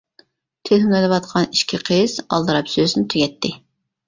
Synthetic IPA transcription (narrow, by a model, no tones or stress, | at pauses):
t̪ʰɪzhymɛd̪ɛwɑt̪̚qʰɑniʃkʲʰiqʰəz̥ɑ̰lˠd̪ɨɾɑpsøznɪt̪ʰyɡʲɛt̪ʰːɪ